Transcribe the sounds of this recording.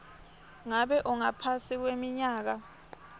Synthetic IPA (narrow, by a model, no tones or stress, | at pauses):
ŋaɓɛʔɔŋapʰasik̬wemiɲaːk̬a